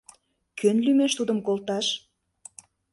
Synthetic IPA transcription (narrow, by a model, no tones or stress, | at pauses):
kʰønlymeʃt̪ud̪əmkolt̪ɑʃ